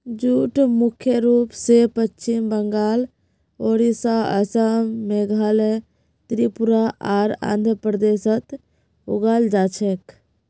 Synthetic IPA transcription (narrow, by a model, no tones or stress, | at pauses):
d͡ʒuːʈmukʰjəɾupsepət͡ʃːt͡ʃimbəŋɡaːl | oɾisaə̰samːeɡʱale | t̪ɾipuɾaʔaːɾã̰nd̪ʱəpɾəd̪esət̪ | uɡald͡ʒaːt͡ʃʰek